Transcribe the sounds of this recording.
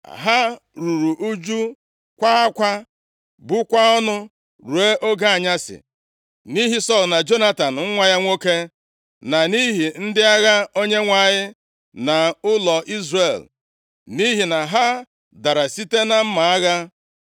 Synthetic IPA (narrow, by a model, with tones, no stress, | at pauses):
a̰˨ɦa˦ | ɾu˨ɾu˨ʔu˦d͡ʒu˦ | kʷa˦a˦kʷa˦ | bʊ˦kʷa˦ɔ˦nʊ˦ | ɾu˨e˦ʔo˦ɡa˦a˨ɲa˦sɪ̰˨ | ni˦ɦi˦sɔ˦˨lna˨d͡ʒo˦na˦ta˨n̩˨ŋ̩˦ŋʷa˦ja˦ŋʷo˦ke˦ | na˨ni˦ɦi˨n̩˦dɪ˦a˦ɣa˦o˦ɲe˦ŋʷa˦˨ɲɪ˦ | na˨ʊ˦lɔ˨ʔi˦zre˨l | ni˦ɦi˨na˨ɦa˦ | da˨ɾa˨si˦te˦na˦m̩˦ma˨a˦ɣa˦